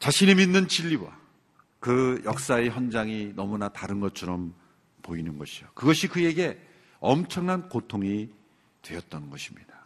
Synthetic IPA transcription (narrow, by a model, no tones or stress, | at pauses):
t͡ɕaɕʰiniminːɯnt͡ɕʰiʎːiwa̰ | kɯjʔʌk̚s͈aeçjʌnd͡ʑaŋinʌmunataɾɯnɡʌt̚t͡ɕʰʌɾʌm | poinɯnɡʌɕʰijokɯɡʌɕʰikɯje̞ɡe̞ | ʌmt͡ɕʰʌŋnankotʰoŋi | twe̞ʌt̚t͈ʌnɯnɡʌɕʰimɲid̥a